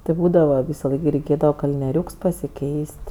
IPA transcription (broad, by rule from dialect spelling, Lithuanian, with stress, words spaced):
tʲɪ ˈbuːdɐʋɐ ˈʋʲiːsɐˌlˠɐɪk ɡʲɪ rʲɛɪˈkʲeːdɐʋɐ kɐlʲnʲiɛˈrʲuːks pɐsʲɪˈkʲɛɪsʲtʲ